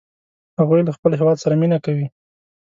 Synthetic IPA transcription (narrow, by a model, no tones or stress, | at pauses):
haɣujlaxpəlɦewɑd̪saɾaminakawi